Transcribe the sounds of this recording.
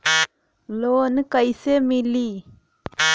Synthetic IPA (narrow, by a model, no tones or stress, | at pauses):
loːnkɐjsemilːi